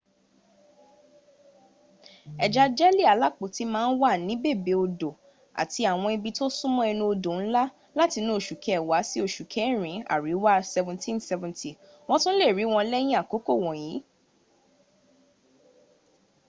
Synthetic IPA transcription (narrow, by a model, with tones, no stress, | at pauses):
ɛ˨d͡ʒa˧d͡ʒɛ˦li˦˨a˨˦la˦˨k͡po˨ti˨˦mãː˦˧n̩˦wa˦˨nĩ˨˦be˦˨be˨˧o˧do˨ | a̰˨ti˧a˨w̃ɔ̃˧i˧bi˧to˦sũ˦mɔ̃˦ɛ˧nũ˧o˧do˨n̩˦la˦ | la˦ti˧nũ˦o˦˨ʃu˨kʰɛ˨˦˨wa˨˦si˦o˦˨ʃu˨kʰɛ̃˨˦˨ɾ̃ĩ˨˦a̰˨ɾi˨˦wa˦sɛ˧vɛ̃˨ntʰĩ˦nsɛ˧vɛ̃˨ntʰi˨ | w̃ɔ̃˦tũ˦le˦˨ɾi˨˦w̃ɔ̃˧˦lɛ˦j̃ĩ˦a˦˨ko˨˦ko˦˨w̃ɔ̃˨jĩ˨˦